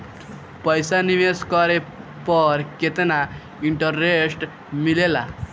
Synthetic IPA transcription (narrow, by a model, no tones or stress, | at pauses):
pəjsaniʋeskəɾe | pəɾket̪ena | iɳʈəɾːesʈ | milela̰